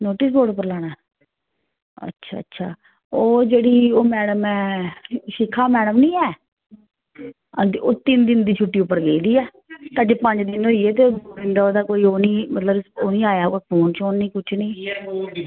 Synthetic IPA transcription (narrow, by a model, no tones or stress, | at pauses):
noːʈɪs̬ɡoːɽʊpːəɾlaːɽ̃a | ə̰tːʃʰa̰ːtːʃʰaː | oːd͡ʒeːɽiːoːmɛːɽəmɛ̃ːʃɪkʰːaːmɛːɽəmnĩːɛː | oːt̪ɪnd̪ɪnd̪iːt͡ʃʰʊʈːiːʊpːəɾɡeːid̪iːɛː | t̪ãːd͡ʒeːpə̃ɲd͡ʒd̪ɪnɦoːiːeːt̪eːdːɪnd̪aːoːd̪aːkoːiːoːnĩːmət̪ləboːnĩːaːjaːkoːpʰoːnt͡ʃʰoːnnĩːkʊt͡ʃʰnĩː